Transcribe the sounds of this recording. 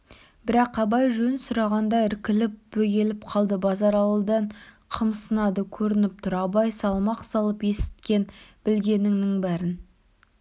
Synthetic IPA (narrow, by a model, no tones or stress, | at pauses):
b̥ɪɾɑqɑbɑjʒɵnsʊɾɑʁɑnd̪ɑɪɾkʲɪlɪp̚b̥ɵɡʲe̞lɪp̚qʰɑlˠd̪əbɑzɑɾɑlˠəd̪ɑɴ | qʰəmsənɑd̪əkʲʰɵɾɪnɪp̚t̪ʰʊɾɑbɑjsɑlˠmɑqsɑlˠəpe̞sɪ̥t̪̚kʲe̞nb̥ɪlɡʲe̞nɪŋnɪŋbæɾɪn